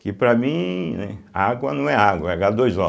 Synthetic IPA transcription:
kɪpɾɐmĩnɛ̰aɡwɐnɐ̃w̃ɛaɡwɐɛɡad̪ojzɔ

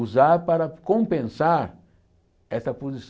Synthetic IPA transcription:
uzaɾpaɾɐkõmpẽnsaɾ | ɛst̪ɐpozis

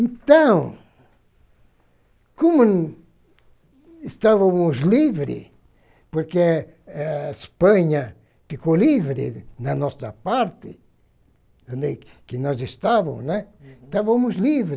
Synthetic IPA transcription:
ẽnt̪ɐ̃w̃ | komʊ | est̪aβɐmʊzlivɾɪ̰ | poɾke | spɐ̃ɲɐ | fikoliβɾɪ̰nɐnɔsɐpaɾt̪ɪ | d̪õnd̪ekɪnɔzest̪aβɐznɛt̪aβɐmʊzlivɾɪ

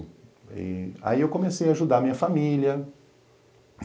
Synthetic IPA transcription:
ḭa̰iewkõmesejaːʒud̪amĩɲɐfamiljɐ

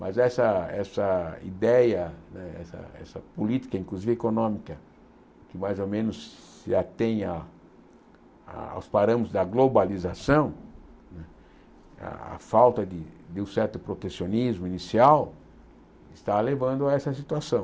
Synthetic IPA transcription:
mʔɐ̰zɛsɐɛsɐḭd̪ɛjɐnɛɛ̰sɐ̰ɛ̰sɐpulit̪i̥kɐĩŋkluzivɪekonõmikɐ | kɪmajzomẽnʊsː | ɪat̪ẽj̃a | a̰a̰wspaɾɐ̃mʊzd̪ɐɡlobalizasɐ̃w̃nɛ | a̰a̰fawt̪ɐd̪ɪd̪ɪũsɛɾt̪ʊpɾot̪esionizmʊinisiaw | ɪst̪alevɐ̃nd̪ʊaɛsɐsit̪uasɐ̃w̃

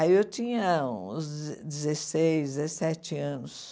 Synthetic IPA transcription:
aiewt͡ʃĩɲɐũzd͡ʒɪzesejzd͡ʒɪzesɛt͡ʃɪɐ̃nʊs

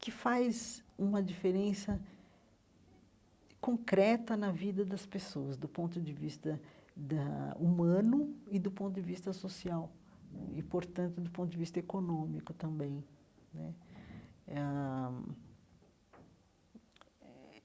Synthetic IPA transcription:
kɪfajzũmɐd͡ʒifeɾẽsɐ | kõŋkɾɛt̪ɐnɐvid̪ɐd̪ɐspesoɐzd̪ʊpõnt̪ʊd͡ʒɪvist̪ɐd̪ɐumɐ̃nʊɪd̪ʊpõt̪ʊd͡ʒɪvist̪ɐsosiawḭpoɾt̪ɐ̃nt̪ʊd̪ʊpõt̪ʊd͡ʒɪvist̪ɐekonõmikʊt̪ɐ̃mbẽj̃nɛ̰ | a

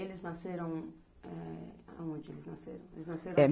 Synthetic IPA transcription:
elɪznaseɾɐ̃w̃ | ɛa̰õd͡ʒɪelɪznaseɾɐ̃w̃ḛlɪznaseɾɛ

